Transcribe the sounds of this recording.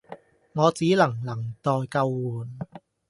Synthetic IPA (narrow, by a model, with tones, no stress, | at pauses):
ŋɔː˨˧t͡siː˨˥lɐ˨˩ŋlɐ˨˩ŋt̪ɔː˧jkɐ˧wːuː˨˩n